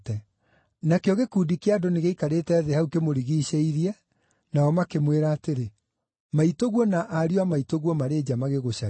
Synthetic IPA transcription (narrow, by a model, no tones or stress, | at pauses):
tɛ | nakeɔɣekuːdikeadoneɣeikaɾetɛːðehaukemoɾiɣiɕeiɾiɛ | naɔmakemweɾaːteɾe | maitoɣwɔnaʔaɾiwamaitoɣwɔmaɾeːd͡ʑamaɣeɣoɕa